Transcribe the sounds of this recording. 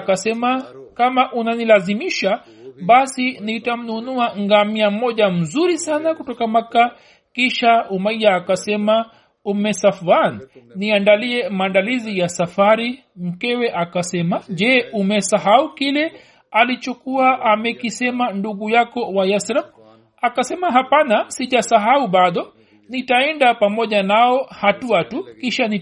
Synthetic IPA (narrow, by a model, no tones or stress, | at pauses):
kasɛmakamaʔunanilazimiʃa | ɓasinitam̩nunuaŋɡamiam̩mɔʄam̩zuɾisanakutɔkamaka | kiʃaumaijaːkasɛma | umɛsafanniandaliɛmaːndalizijasafaɾi | m̩kɛwɛʔakasɛmaʄɛːumɛsaɦaukilɛ | alit͡ʃɔkuaʔamɛkisɛmanduɠujakɔwajasɾam | akasɛmaɦapanasiʄasaɦauɓaɗɔ | nitaɛndapamɔʄanaɔhatuatukiʃani